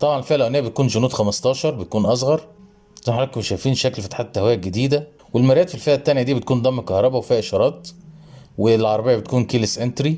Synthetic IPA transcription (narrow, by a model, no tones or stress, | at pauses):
t̪ˤɑbʕɑnlfiːhælʔæʔneːæbet̪̚kuːnd͡ʒʊnuːd̪xæmɑst̪ˤɑːʃɑɾˤbet̪̚kuːnʔɑs̬ˤɣɑɾˤ | zæːħalæːt̚komʃæjfiːnʃæklfɑt̪ħat̪ːæhwæːjæɡed̪iːd̪æ | welmæɾæːt̪filfeʔæt̪ːænjæd̪iːbet̪̚kuːnd̪ɑmːkɑhɾˤɑbæwefiːhæʔʃɑɾˤɑːt̪ | welʕɑɾˤɑbejæbet̪kuːnkiːlesʔent̪ɾi